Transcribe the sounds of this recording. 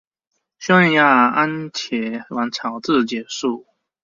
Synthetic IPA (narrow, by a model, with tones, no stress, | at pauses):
ɕjɔ˥ŋɛ˧nja˥˧a˦nt͡ɕʰjɛ˨˦wa˨˦nt͡sʰɑ˨˩ʊt͡sɹ̩˥˨t͡ɕjɛ˨˩˦su˥˨